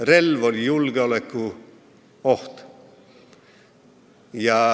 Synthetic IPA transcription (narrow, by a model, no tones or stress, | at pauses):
relʋolʲjulɡ̥eolekːu | oht̪ | jɑ